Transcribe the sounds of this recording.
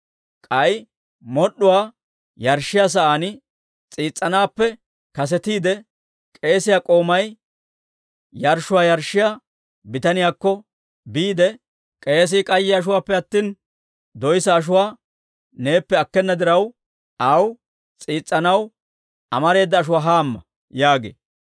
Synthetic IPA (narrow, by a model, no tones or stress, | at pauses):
kʼɐj | mɔɗʊwaː | jɐɾʃːɪjaːs̬ɐʔaːnɪ | t͡sʼiːt͡sʼːɐnaːpːɛ | kɐs̬ɛt̪iːd̪ɛ | kʼe̞ːsɪjakʼo̞ːmɐj | jɐɾʃʊwaːjɐɾʃːɪja | bɪt̪ɐnɪjaːkːɔ | biːd̪ɛ | kʼe̞ːs̬ɪkʼɐjːɪɐʃ̬ʊwaːpːɛɐt̪ːiːn | d̪ɔjsɐːʃ̬ʊwaː | ne̞ːpːɛɐkːɛnːɐd̪ɪɾɐw | ʔɐw | t͡sʼiːt͡sʼːɐnɐw | ʔɐmɐɾe̞ːd̪ːɐːʃ̬ʊwaːɦaːmːɐ | jaːɡḛː